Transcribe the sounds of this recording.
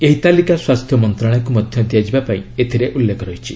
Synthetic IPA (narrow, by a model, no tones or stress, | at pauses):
eɦit̪alikaswast̪ʰjɔmɔnt̪ɾaɽ̃akumɔd̪ʱjɔd̪jad͡ʒibapaĩet̪ʰiɾeʔulːekʰɔɾɔjt͡ʃʰi